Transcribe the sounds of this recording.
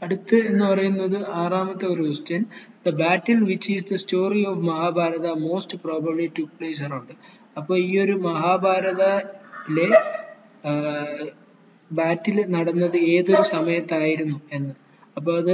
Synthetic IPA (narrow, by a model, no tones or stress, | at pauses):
ɐɽut̪ːɨe̞nːɨpɐrɐjunːɐðɨaːraːmɐt̪ːeoɾumustɐn | d̪ɐbaːʈːɐlʋit͡ɕːisd̪ɐsto̞ːrioʋmɐɦaːbʱaːɾɐðɐmo̞ːstproːbɐbliʈukpleːs̬ɐrɐɳɖɨ | ɐpːo̞ːɭiːo̞ɾumɐɦaːbʱaːɾɐðɐle̞ | baːʈːilnɐɽɐnːɐðɨe̞ːðo̞ɾusɐmɐjɐt̪ːaːjiɾunːue̞nːɨ | ɐpːoːɭɐðɨ